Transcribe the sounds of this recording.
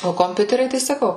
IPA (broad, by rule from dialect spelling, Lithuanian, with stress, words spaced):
oː koːmʲˈpʲʊtʲɛrʲɛɪ tɐɪ sɐˈkɐʊ